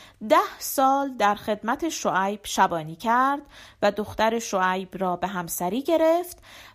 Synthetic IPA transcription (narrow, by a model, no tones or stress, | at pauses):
d̪æhsɒːld̪æɾxe̞d̪mæt̪ʰe̞ʃoʔæjb̥ʃæbɒːniːcʰæɾd̪̥væd̪oxt̪æɾe̞ʃoæjbrɒːbe̞ɦæmsæɾiːɟe̞ɾe̞ft̪